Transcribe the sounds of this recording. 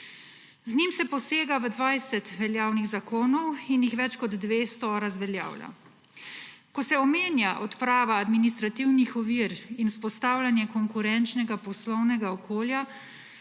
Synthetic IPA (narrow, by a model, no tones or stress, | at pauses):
znimsɛpɔseːɡaʋəd̪ʋajsɛt̪ʋɛljaːwniɣzakoːnɔwinjixʋɛt͡ʃkɔd̪ːʋeːst̪ɔɾazʋɛlja̰ːwla̰ | kɔsɛɔmeːnjaʔɔt̪pɾaːʋaːd̪minist̪ɾat̪iwnixɔʋiːɾinuspɔst̪aːwlanjɛkɔŋkuɾɛnt͡ʃnɛɡapɔslɔwnɛɡaɔkʰoːlja